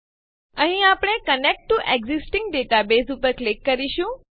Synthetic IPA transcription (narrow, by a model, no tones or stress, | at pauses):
ə̃ɦĩapɳ̃ekənek̚ʈːuʔeɡzisʈĩŋɡɖeʈabesupəɾklekːəɾiɕũ